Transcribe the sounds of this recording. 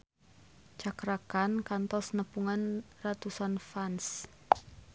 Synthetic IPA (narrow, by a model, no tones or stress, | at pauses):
t͡ʃakɾakankant̪ɔsnəpuŋanrat̪usanfans